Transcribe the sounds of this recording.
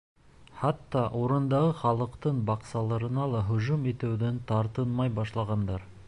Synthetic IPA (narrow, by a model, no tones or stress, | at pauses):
χɑt̪ːɑʔoɾɤ̆nd̪ɑʁɤχɑlˠɤ̆qt̪ɤɴbɑqsɑlˠɤɾɤ̆nɑlˠɑɦɵ̆ʒumet̪æwd̪ɘnt̪ʰɑɾt̪ɤnmɑjbɑʃlˠɑʁɑnd̪ɑɾ